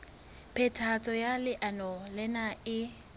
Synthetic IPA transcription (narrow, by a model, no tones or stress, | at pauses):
pʰɛtʰat͡sʼɔjalɪʔanɔlɛnaɪ